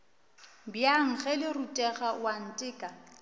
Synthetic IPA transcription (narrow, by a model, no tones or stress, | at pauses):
bjaŋ̩χɛlɪrutʼɛɣawan̩tʼɪːkʼa